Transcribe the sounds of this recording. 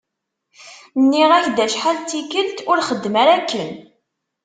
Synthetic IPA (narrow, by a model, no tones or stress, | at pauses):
nːiʁæjd̪æʃħalt̪ːikəlt̪ʊɾχəd̪ːmæɾækːən